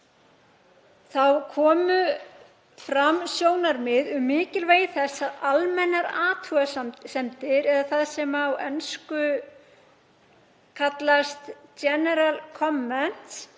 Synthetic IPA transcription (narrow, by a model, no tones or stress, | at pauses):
θawkʰɔːmʏ | fɾamsjoːwnaɾmɪðʏmːɪːcɪlveːjθɛsaðalmɛnːaɾaːt̪ʰuassɛmt̪ɪɾɛðaθaðsɛmawɛnskʏ | kʰat̪last̪d͡ʒɛnɛɾalkʰɔmːɛn̥t̪s